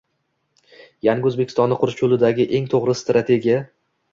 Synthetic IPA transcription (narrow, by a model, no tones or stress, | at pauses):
jaŋɡʲɪɵzbekʲɪ̥st̪ɒnːɪqʰʊɾt͡ʃʰolɪd̪aɡʲɪʔe̞ŋt̪ʰoʁɾɪst̪ɾat̪ʰe̞ɡʲija